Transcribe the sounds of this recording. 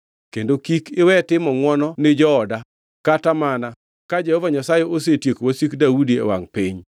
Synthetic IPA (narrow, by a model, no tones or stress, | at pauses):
kendokikɪwɛtɪmɔŋwɔnɔnɪd͡ʒɔːda | katamana | kad͡ʒɛhɔvaɲasajɛʔos̬etjekowasikdaudiɛ̰wa̰ŋpɪɲ